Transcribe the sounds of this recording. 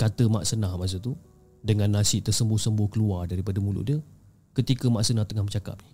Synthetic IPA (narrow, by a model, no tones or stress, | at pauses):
kat̪əma̰ʔsənahmas̬ət̪u | dəŋãnːasɪʔt̪ərsəmbʊhsəmbʊhkəluardaɾipadəmulʊ̰ʔdiə | kət̪ikəmaʔsənaht̪əŋahmə̃t͡ʃaka̰p̚